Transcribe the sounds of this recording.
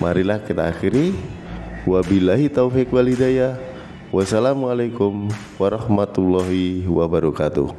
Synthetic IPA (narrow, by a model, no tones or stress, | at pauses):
mʔa̰ɾilahkit̪a̰ːxiɾi | wabilaɦit̪awfikwalɦidaja | wasalamualajkʊm | waɾɑhmat̪ulːɔɦiwabaɾɔkat̪ṵ